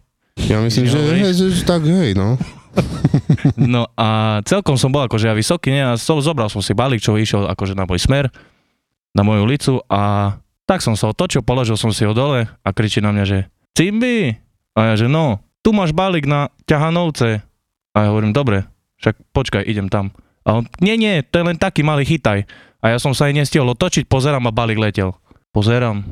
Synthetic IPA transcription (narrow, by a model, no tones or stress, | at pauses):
jamislimʒɛɦɛʒɛɛt̪aɡɦɛjnɔ | nɔʔat͡sɛlkɔmsɔmbɔlˠakɔʒɛjaʋisɔkiːɲɛaɔzɔbɾalˠsɔmsibalik̚t͡ʃɔɦiʃɛla̰kɔʒɛnamɔjsmɛɾ | namɔjulit͡suʔa | t̪aksɔmsaɔt̪ɔt͡ʃilpɔlɔʒilˠsɔmsiɔd̪ɔlɛakɾit͡ʃinamɲaʒɛ | t͡simbi | ajaʒɛnɔt̪umaːʒbaliːɡnacaɦanɔʊt͡sɛ | ajaɦɔʋɔɾiːmd̪ɔbɾɛ | ʃak̚pɔt͡ʃkajʔiɟɛmt̪am | ʔaɔɲɪɛɲɪɛt̪ɔjɛlɛnt̪akiːmaliːxit̪aj | ajasɔmsaaɲɲɛsciɔlɔt̪ɔt͡ʃic̚pɔzɛɾaːmabaliːɡlɛcɛl | pɔzɛɾaːm